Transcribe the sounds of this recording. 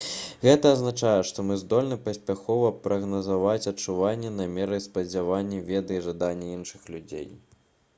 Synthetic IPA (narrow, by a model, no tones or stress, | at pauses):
ɣɛt̪ɐːznat͡ʂajɛʂt̪ɔmɨzd̪ɔlʲnɨpɐsʲpʲaxɔvɐpɾɐɣnɐzavat͡sʲɐt͡ʂːuvanʲːɛnamʲɛɾɨjspɐd͡zʲavanʲːɛvʲɛd̪ɨiʐad̪anʲːɐinʂɨxlʲud͡zʲḛj